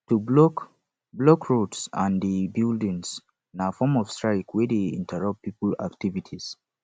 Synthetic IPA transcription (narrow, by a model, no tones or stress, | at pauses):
tublɔk | blɔkʰɹotsã̰ndəbildĩŋs | nafɔmɔv̥stɹaɪkwɛdeḭ̃ntʰəɹʌp̚pːipla̰ktivitʰis